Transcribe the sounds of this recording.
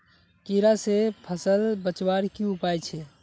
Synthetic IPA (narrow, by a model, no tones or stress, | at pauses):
kiɾasepʰəsəlbət͡ʃwaɾkiupaːjt͡ʃʰɛ